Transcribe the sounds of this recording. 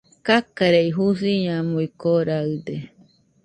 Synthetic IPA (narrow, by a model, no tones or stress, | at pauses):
kakaɾeiɦusiɲãmuikoɾaɯd̪e